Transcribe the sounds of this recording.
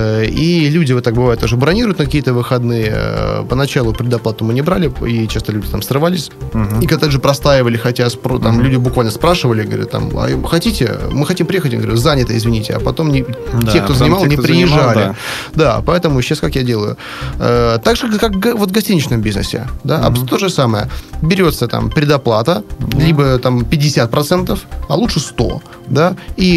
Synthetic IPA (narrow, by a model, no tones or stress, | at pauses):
ilʲudʲɪvot̪ːak̚bɨvajʊt̪ːoʐɨbɾɐnʲiɾʊjʊt̪nkɐkʲijət̪əvɨxɐd̪nɨjə̰pənɐt͡ɕalˠʊpʲɾʲɪd̪ɐplˠat̪əmɨnʲɪbɾalʲɪit͡ɕast̪əlʲʉdʲɪt̪amsrɨvalʲɪsʲikat̪aʐɨpɾɐst̪aɪvəlʲɪxɐtʲaspot̪amlʲudʲɪbʊkvalʲnəspɾaʂɨvəlʲɪɡəvɐɾʲṵt̪ːa̰mɐ̰xɐtʲitʲɪ̰mɨxɐtʲimpɾʲɪjexətʲmɡəvɾʲut̪zanʲɪt̪əɪzvʲɪnʲitʲɪɐ̰pɐt̪o̞mnʲɪekt̪ozənɪmalˠsnʲɪpɾʲɪjɪʐːalʲɪ̰ | d̪apɐɛt̪əmʊɕːaskakjadʲe̞lˠəjʊ̰ | ət̪aɡʐɨkakɡvo̞t̪ɡɐsʲtʲinʲɪt͡ɕnəmbʲiznə̰sʲɪ̰d̪aɐ̰pt̪o̞ʐɨsaməjəbʲɪɾʲo̞t̪sət̪a̰mpʲɾʲɪd̪ɐplˠat̪əlʲibət̪ampʲɪdʲːɪsʲat̪̚pɾɐt̪sɛnt̪əfɐlˠuʂɨst̪o̞̰ | d̪ai